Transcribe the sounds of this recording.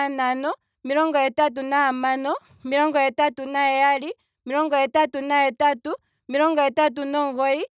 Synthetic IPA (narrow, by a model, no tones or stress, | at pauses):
nanɔ | miɾɔŋɡɔɛtat̬unaamanɔ | miɾɔŋɡɔjɛtatunaɛjali | miɾɔŋɡɔɛtatunaɛtatu | miɾɔŋɡɔɛtat̬unɔŋɡɔi